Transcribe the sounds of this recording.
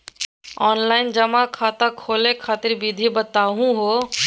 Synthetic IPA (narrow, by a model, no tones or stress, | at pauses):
ɔːnlaːɪnd͡ʒəmãkʰaːt̪akʰoːlekʰaːt̪ɪɾbid̪ʱibət̪aːɦũɦoː